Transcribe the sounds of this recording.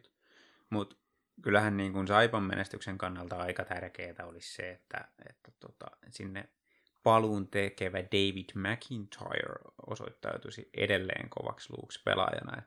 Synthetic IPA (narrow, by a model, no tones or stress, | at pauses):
mut̪ | kylːæhænniːŋkunsɑipɑmːḛnʔest̪ykseŋkɑnːɑlt̪ɑɑikɑt̪ærkeːt̪æolisseet̪ːæ̰ḛt̪ːæ̥t̪ot̪ɑsinːe | pɑluːnt̪ekeʋædeiʋid̥mækʰint̪ʰɑ̰jø̰ɹosoit̪ːɑut̪usiʔḛdelːḛːŋkoʋɑ̰kslṵːkspḛlɑ̰jɑ̰nɑḛt̪